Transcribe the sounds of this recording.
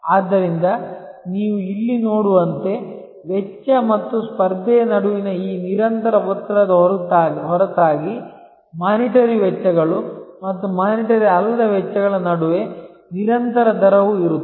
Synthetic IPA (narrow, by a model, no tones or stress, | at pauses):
aːd̪ːɐɾind̪ɐniːʋuilːinoːɽuʋɐnt̪e̞ | ʋɛt͡ʃːɐmɐt̪ːuspɐɾd̪ʱɛjɐnɐɽuʋinɐiːniɾɐnt̪ɐɾɐɦɔt̪ːɾɐd̪ | ɦɔɾɐt̪aːɡi | maːniʈɐɾiʋɛt͡ʃːɐɡɐɭumɐt̪ːumaːniʈɐɾiɐlːɐd̪ɐʋɛt͡ʃːɐɡɐɭɐnɐɽuʋe̞ | niɾɐnt̪ɐɾɐd̪ɐɾɐʋuiɾut̪ː